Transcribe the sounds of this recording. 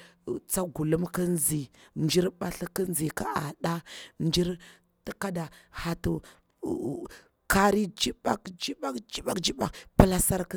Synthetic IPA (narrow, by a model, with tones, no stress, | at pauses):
t͡sa˦ɡu˨lu˦mkə˦n˦zi˨nd͡ʒi˦ɾɓa˦ɬkə˦n˦zi˨ka˦ʔa̰˨ɗa˦nd͡ʒi˦ɾ | ti˦ka˦da˨ha˨tu˨ | ka˦ɾi˦d͡ʒi˦ba˦kd͡ʒi˦ba˦kd͡ʒi˦ɓa˦kd͡ʒi˦ba˨kpə˦la˦sa˦ɾk